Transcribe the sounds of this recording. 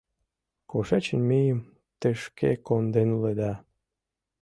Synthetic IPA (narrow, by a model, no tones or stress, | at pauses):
koʃɑt͡ɕə̆nmijəm | t̪eʃkḛkond̪enuled̪ɑ